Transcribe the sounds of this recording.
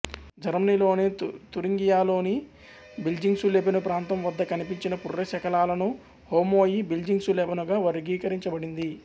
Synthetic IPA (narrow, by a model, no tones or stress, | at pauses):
d͡ʒɐɾmɐniloːnit̪uɾiŋɡijaːlo̞ːni | bild͡ʒiŋɡsulebɐnupɾaːnt̪ɐmʋɐd̪ːɐkɐnipiɲt͡ʃinɐpurːɐʃɐkɐlaːlɐnu | hoːmo̞ːjibild͡ʒiŋɡsulɛbɐnuɡaːʋɐɾiɡiːkɐɾiɲt͡ʃɐbɐɽind̪i